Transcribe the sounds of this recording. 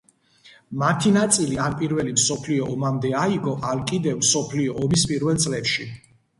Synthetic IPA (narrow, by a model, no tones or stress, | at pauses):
mat̪ʰinat̪sʼilianpʼiɾvɛlimsɔpʰliɔʔɔmamd̪ɛaiɡɔʔalkʼid̪ɛvmsɔpʰliɔːmispʼiɾvɛlˠt̪sʼlɛpʃi